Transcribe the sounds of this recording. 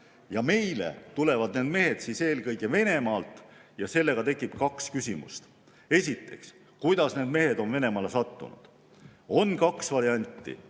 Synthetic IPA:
jɑme̞jle̞̰t̪ule̞vɑd̪̥ne̞ːd̪̚me̞ɦe̞d̪̥siːse̞ːlkɤjɡe̞ve̞ne̞mɑːlt̪ˑjɑse̞lːe̞ɡ̥ɑt̪e̞kːˑipkɑkskysʲimṵst̪ | e̞sʲit̪ːe̞̰ks | kujd̪ɑsneːd̪me̞ɦe̞d̪o̞nve̞ne̞mɑːle̞sɑt̪ːṵnṵd̪̥ | o̞nkɑksvɑɾiɑnʲt̪ːˑḭ

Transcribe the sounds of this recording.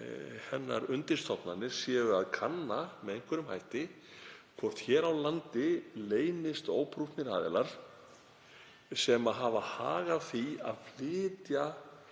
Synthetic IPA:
hɛnːa̰ɾʏnt̪ɪnst̪ʰɔpnanːɪɾ̥sjɛːɣʏaðkʰanːamɛðejŋ̥kvɛɾʏmhajht̪ɪ | kʰvɔr̥t̪çɛːɾawlant̪ɪleːjnɪst̪oːwpʰɾufnɪɾa̰ːðɛ̰laɾ̥ | sɛmaɦavaha̰ːɣaθia̰ðflɪːt̪ja

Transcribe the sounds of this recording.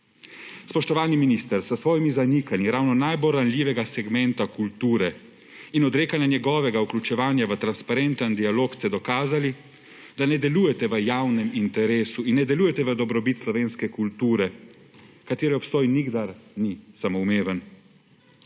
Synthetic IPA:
spɔʃt̪ɔʋaːlniminist̪əɾsəsʋɔːjimizanikanjiɾawnɔnajbolɾanlʲjiːʋɛɡasɛɡmɛnt̪akult̪uːɾɛ | inɔd̪ɾeːkanjanjɛɡɔːʋɛɡauklʲut͡ʃɛʋaːnjaʋət̪ɾanspaɾɛnt̪ənd̪ialoːkst̪ɛd̪ɔkaːzali | d̪anɛd̪ɛluːjɛt̪ɛʋəjawnɛmint̪ɛɾeːsuinːɛd̪ɛlujɛt̪ɛʋəd̪ɔbɾɔbit̪slɔʋeːnskɛkult̪uːɾɛ | kat̪eːɾɛɔpst̪ɔːjniɡd̪aɾnisamoumeːʋən

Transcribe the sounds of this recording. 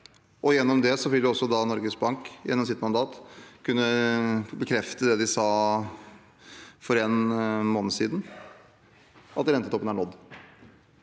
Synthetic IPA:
ʔɔjɛnːɔmd̪ɛsɔʋɪld̪ɪɔsːɔd̪ɑnɔɾɡəsbɑŋkjɛnːɔms̬ɪt̪mɑnd̪ɑːt̪kʰʉnːəbəkʰɾɛft̪əd̪ɛd̪ɪsɑː | fɔɾɛnmoːnəsiːd̪n̩ | ʔɑt̪ɾɛnt̪ət̪ʰɔpːənæɳɔd̪ː

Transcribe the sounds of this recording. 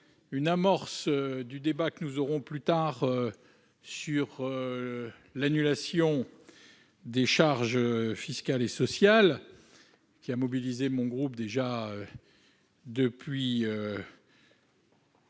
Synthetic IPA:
ynamɔʁsd̪yd̪ebakənuzɔʁɔ̃plyt̪aʁø | syʁ | lanylasjɔ̃ | d̪eʃaʁʒfiskalesɔsjal | kʲiamɔbilizemɔ̃ɡʁupd̪eʒaø | d̪əpɥiø

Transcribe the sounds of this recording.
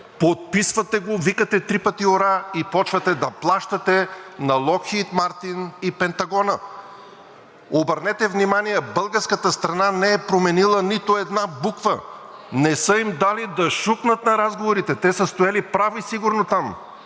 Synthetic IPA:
pot̪̚pisvɐt̪ɛɡovikət̪ɛt̪ɾipət̪ioɾaipɔt͡ʃvɐt̪ɛd̪ɐplˠaʃt̪ɐt̪ɛnɐlˠɔkxit̪maɾt̪inipɛnt̪ɐɡɔnə | obəɾnɛt̪ɛvnimanijɛbəlˠɡəɾskət̪əst̪ɾɐnanɛɛpɾomɛnilˠənit̪oɛd̪nabukvənɛsəimd̪alid̪ɐʃuknət̪nɐɾazɡovoɾit̪ɛt̪ɛsəst̪ojalipɾavisiɡʊɾnot̪am

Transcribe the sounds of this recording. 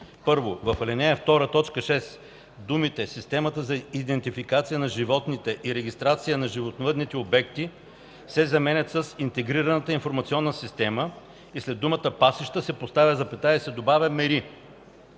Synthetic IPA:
pɤɾvovɐfɐlɛnɛɛft̪ɔɾət̪ɔt͡ʃkəʃɛs | d̪umit̪ɛsist̪ɛmət̪əzɐid̪ɛnt̪ifikat̪sijənɐʒivɔt̪nit̪ɛʔiɾɛɡʲist̪ɾat̪sijənɐʒivot̪novəd̪nit̪ɛobɛkt̪i | sɛzɐmɛnʲɐt̪səsint̪ɛɡɾiɾɐnət̪əinfoɾmɐt̪siɔnːəsist̪ɛmə | islɛd̪ːumət̪əpasiʃt̪əsɛpost̪avʲəzɐpɛt̪aɛsɛd̪obavʲɐmɛɾi

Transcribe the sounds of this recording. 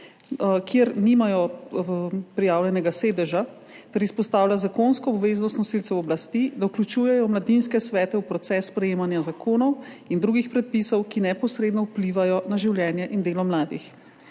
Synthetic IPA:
kjeɾnimajɔ | pɾijaːwlʲjɛnɛɡaseːd̪ɛʒa | t̪ɛɾispɔst̪aːwlʲazakonskɔːbʋeznɔst̪nɔsilt̪sɛwɔblast̪id̪auklʲut͡ʃuːjɛjɔmlad̪inskɛsʋɛːt̪ɛwpɾɔt̪sɛsːpɾɛjeːmanjazakʰoːnɔwind̪ɾuːɡixpɾɛt̪̚piːsɔwkinɛpɔsɾeːd̪nɔupliʋajɔnaʒiwljɛːnjɛʔind̪eːlɔmlaːd̪ḭx

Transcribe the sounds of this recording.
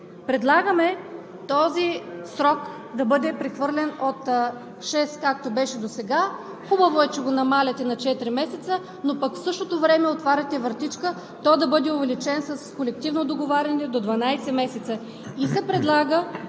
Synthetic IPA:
pɾɛd̪lˠaɡəmɛ | t̪ɔzisɾɔk | d̪ɐbɤd̪ɛpɾɛxvɤɾlʲɛnot̪ | ʃɛskak̚t̪obɛʃɛd̪osɛɡa | xubɐvoɛt͡ʃɛɡonɐmalʲɛt̪ɛnɐt͡ʃɛt̪ɾimɛsɛt̪sə | nopɐkfsɤʃt̪ot̪ovɾɛmɛot̪vaɾʲɐt̪ɛvəɾt̪it͡ʃkə | t̪ɔd̪ɐbɤd̪ɛʊvɛlit͡ʃɛnsɐskolɛk̚t̪ivnod̪oɡovaɾʲɐnɛd̪od̪vɐnajsɛmɛsɛt̪sə | isɛpɾɛd̪lˠaɡə

